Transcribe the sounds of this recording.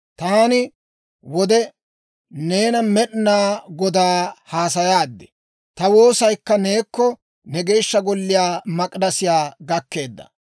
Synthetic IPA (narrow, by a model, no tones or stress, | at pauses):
t̪aːnɪ | wɔd̪ɛ | ne̞ːnɐmɛɗnaːɡɔd̪aːhaːsɐjaːd̪ːɛ̥ | t̪ɐwo̞ːsɐjkːɐneːkːɔ | nɛɡe̞ːʃːɐɡɔlːɪjaːmɐkʼdɐsɪjaːɡɐkːe̞ːd̪ːɐ̰